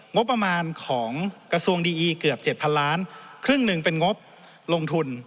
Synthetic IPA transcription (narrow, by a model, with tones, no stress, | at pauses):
ŋo˦˥pːɾa˧maː˧nkʰɔː˩˦ŋkɾa˧su˧əŋdiː˧ʔiː˧kɯ˨˩əp̚t͡ɕe˨˩t̪̚pʰa˧nlaː˦˥nkʰɾɯ˥˩ŋnɯ˧˩ŋpe˧nŋo˦˥p̚ | lo˧ŋt̪ʰu˧n